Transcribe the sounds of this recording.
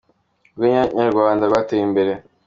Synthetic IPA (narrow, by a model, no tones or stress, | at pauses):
ɡiɲaɲaɾɡwaːndaɾwateimbe̞ɾe̞